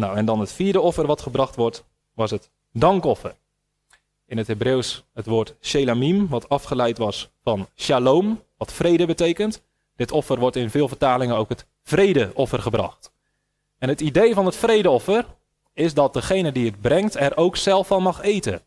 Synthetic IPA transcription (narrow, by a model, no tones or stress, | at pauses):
nawɛndɑnətfiːdəɔfərʋɑtχəbrɑχtʋɔrt | ʋɑsət | dɑŋkɔfər | ɪnətɦebrewshətʋoːrtʃejlamimʋɑtɑfχəlɛjtʋɑsfɑnʃaloːmʋɑtfrejdəbətejkənt | d̥ɪtʰɔfərʋɔrtɪnvɪːlˠvərtaːlɪŋəowkət | frejdəʔɔfərχəbrɑ̰χt | ɛnɦətidejvɑnətfrejdəɔfər | ɪsdɑt̚d̥əχejnədiət̚brɛŋktɛɾʔowksɛlˠfɑnmɑχejtə̰